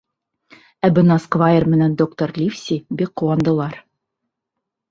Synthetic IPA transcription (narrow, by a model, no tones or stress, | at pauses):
æbɘ̆nɑskvaɪrmɘ̆nænd̪okt̪orlʲifsʲibik̚qːuwɑnd̪ɤ̆lˠɑɾ